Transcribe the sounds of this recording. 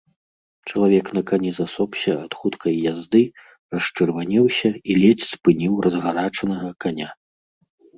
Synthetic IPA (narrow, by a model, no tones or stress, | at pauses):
t͡ʂɐlˠavʲɛknɐkanʲɛzasɔpsʲɐat̪xut̪kʰɐjːazd̪ɨ | rɐʂt͡ʂɨrvanʲɛwsʲɐilʲɛt͡sʲspɨnʲiwrʔɐzɣaɾat͡ʂɐnɐɣɐkanʲa